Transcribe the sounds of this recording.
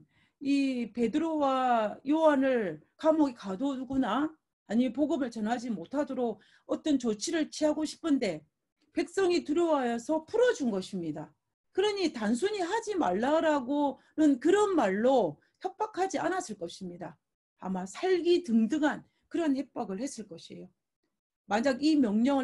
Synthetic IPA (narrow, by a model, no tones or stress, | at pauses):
ipe̞dɯɾowajowanɯɭkamoɡikadonuɡunaː | ɲimep̬oɡɯmɯɭt͡ɕʌnɦad͡ʑimotʰadoɾok̚ | ʌt͈ʌnt͡ɕot͡ɕʰiɾɯɭt͡ɕʰiɦaɡoɕʰi̥pʰɯnde̞ | pe̞k̚s͈ʌŋitɯɾjʌwajʌsʰʌpʰuɾʌd͡ʑunɡʌɕʰimɲida | kɯɾʌɲitans̬ʰuɲiɦad͡ʑimaɭːaɾaɡo | nɯnkɯɾʌnmaɭːo | çjʌk̚p͈akʰad͡ʑianas͈ʰɯɭk͈ʌɕʰimɲida | a̰masʰaɭɡitɯŋdɯŋɦan | kɯɾʌnhe̞p̚p͈aɡɯɭhe̞s͈ɯɭk͈ʌɕʰḛjo | maɲaɡimjʌŋɲʌŋɯ